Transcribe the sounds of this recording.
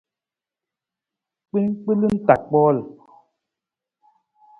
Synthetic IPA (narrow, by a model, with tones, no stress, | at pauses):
k͡pi˦nk͡pɨ˦lɨ˦n̩˦ta˨k̚k͡pɔː˦l